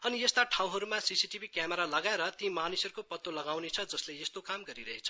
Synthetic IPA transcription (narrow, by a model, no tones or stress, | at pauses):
ʌniest̪aʈʰaw̃ɦʌɾumasisiʈibʱikjameɾalʌɡaeɾʌt̪ĩmanisʌrukopʌt̪ːolʌɡawnet͡sʰʌd͡zʌsleest̪okamɡʌɾiɾʌɦet͡sʰʌ